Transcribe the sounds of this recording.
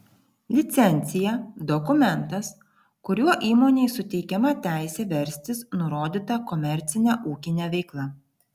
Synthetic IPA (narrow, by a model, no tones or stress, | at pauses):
lʲɪt̪sʲɛnʲˑt̪sʲɪjɛd̪ɔkʊmʲɛnt̪ɐs | kʊɾʲuɔʔiːmoːnʲeɪsʊt̪ʲɛɪkʲɛmɐt̪ʲæˑɪsʲɛʋʲɛɾʲsʲt̪ʲɪsnʊɾoːd̪ʲit̪ɐkɔmʲɛɾʲt̪sʲɪnʲæʔuːkʲɪnʲæʋʲɛɪklˠɐ